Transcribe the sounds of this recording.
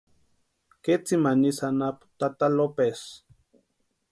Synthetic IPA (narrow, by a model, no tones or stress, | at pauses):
ket͡simanisanapu̥t̪at̪alopes